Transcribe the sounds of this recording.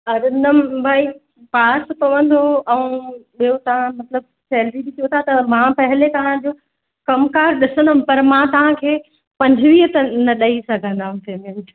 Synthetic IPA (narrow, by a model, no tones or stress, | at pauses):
ɐɾɪnəmbʱaːi | paːspɐʋə̃nd̪oɛũɓijot̪ɐʋ̤ãmɐt̪ləb̚ | sɛːlɾiɗɪtʰijot̪ʰat̪ɐmãpɐɦɪlet̪ɐʋ̤ãd͡ʑoː | kɐmkaːɾɗɪsə̃nd̪əmpɐɾmãt̪ɐʋ̤ãkʰeː | pɐ̃ɲd͡ʑʱʋiːɦt̪ɐnɐɗɐisɐɡʱə̃nd̪aɦũt̪eːmẽnʈ